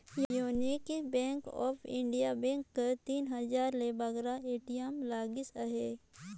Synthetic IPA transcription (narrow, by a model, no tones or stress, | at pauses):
jjuːnikibɛ̃ːŋkɔ̰ːpʰɪ̃ɳɖijabɛ̃ːŋkːət̪iːnɦɐzaːɾlebɐɡɾaeːʈijəmlaːɡɪsəɦeː